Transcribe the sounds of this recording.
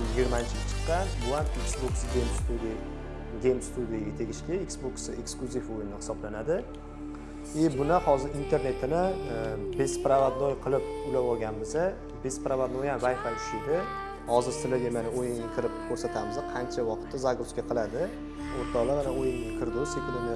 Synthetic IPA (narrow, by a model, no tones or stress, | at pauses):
jɪɡʲɪɾmaɪnt͡ʃʰɪat͡ʃʰɨ̥qːɑnbʊhamiksboksɡʲejmst̪ʰud̪i | ɡʲejmst̪ʰud̪ijaɡʲat̪ʰe̞ɡʲɪʃkʲɪiksboksɪeksklʊzifojɪnɪhɪ̥sɒblanad̪ɪ | ɪbʊnahɒzɪɾint̪ʰe̞ɾne̞t̪ʰɪnɪbespɾavad̪nojqʰɨlˠɪp̚ʊlavɒɡʲanbɪzɪ | bespɾavad̪nojamvajfalɪ̥ʃɪd̪ɪ | hɒzɪɾsɪlɪd̪ʲemanaojɪŋakʰʲɪɾɪp̚kʰɵɾsat̪ʰamɪzaqʰɑnt͡ʃʰawɒqʰɨt̪ʰːazaɡɾuskʲaqʰɨlˠad̪ɪ | oɾt̪ʰːalamanaojɪŋʲakʲʰɪɾd̪osekʲɪlɪnɪ